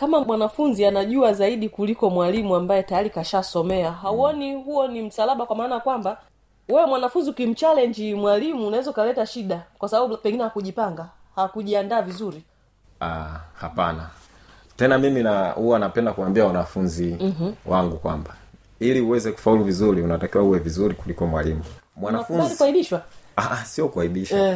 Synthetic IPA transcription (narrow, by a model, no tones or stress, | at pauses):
kamamwanafunzianaʄuazaiɗikulikɔmwalimuambajɛtajalikaʃasɔmɛaɦauɔniɦuɔnim̩salaɓakwamaːnajakwamba | wɛwɛmwanafunziukim̩t͡ʃalɛɲd͡ʒimwalimuːnawɛzaukalɛtaʃiɗakwasaɓaɓupɛŋɡinɛhakuʄipaŋɡa | hakuʄiandaːvizuɾi | ahapana | tɛnamiminahuwanapɛndakuwambiawanafunziwaŋɡukwamba | iliuwɛzɛku̥fauluvizuɾiunatakiwauwɛvizuɾikulikɔmwalimumwanaafuaikwaiɓiʃwaasiɔkuahiɗiʃa